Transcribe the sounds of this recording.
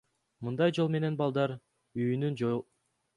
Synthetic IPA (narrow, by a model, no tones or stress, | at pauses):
mɯnd̪ɑjd͡ʒo̞lˠme̞ne̞nbɑlˠd̪ɑɾ | yjynynd͡ʒ